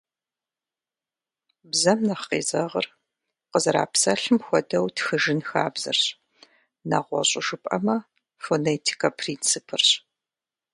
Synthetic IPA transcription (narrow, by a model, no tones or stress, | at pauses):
bzɐmnɐχqḛːzɐʁɐr | qəzɐɾa̰ːpsɐɬɨmxʷɔdɐwtxɨʒɪnxaːbzɐ̰rɕ | na̰ʁʷɔ̰ɕʼɪʒɨpʼɐmɐ | fonetʰi̥kʰɐpʰriːnt͡sɨpʰɨrɕ